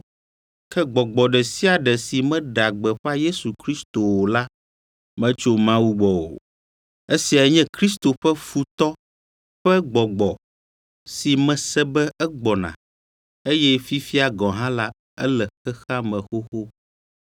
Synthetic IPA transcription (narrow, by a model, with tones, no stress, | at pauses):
kɛ˦ɡ͡bɔ˨ɡ͡bɔ˨ɖɛ˨si˦a˨ɖɛ˨si˨mɛ̃˦ɖa˨ɡ͡bɛ˨ɸa˦je˦su˨kɾi˦st̪o˨wo˨la˦ | mɛ̃˦t͡ʃo˦mã˦wu˦ɡ͡bɔ˨wo̰˨ | e˦si˨a˨˦ɲɛ̃˦kɾi˦st̪o˨ɸɛ˦fu˦t̪ɔ˦ | ɸɛ˦ɡ͡bɔ˨ɡ͡bɔ˨ | si˨mɛ̃˨sɛ˦bɛ˦ɛ˦ɡ͡bɔ˨nã̰˨ | e˦jɛ˦fi˦fi˦a˨ɡɔ̃˨ɦã˦la˦ | ɛ̰˦lɛ˨xɛ˦xa˦mɛ̃˨xo˦xo˦